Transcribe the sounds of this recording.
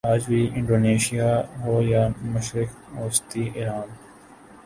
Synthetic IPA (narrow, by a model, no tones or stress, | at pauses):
aːd͡ʒbiːʔɪ̃ɳɖoːneːʃijaːɦoːjaːmʊʃɾɪk | oːst̪iːʔeɾaːn